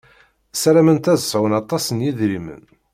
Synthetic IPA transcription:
sæɾæmənt̪æðəsˤəwənɑt̪ˤːɑsənjiðɾimə̰n

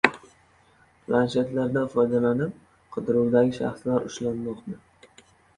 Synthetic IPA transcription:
pʰlanʃet̪laɾd̪afɒjd̪alanɪp̚ | qʰɨd̪ɪɾuwd̪aɡʲɪʃa̰χslaɾʊʃlanmɒqnɪ

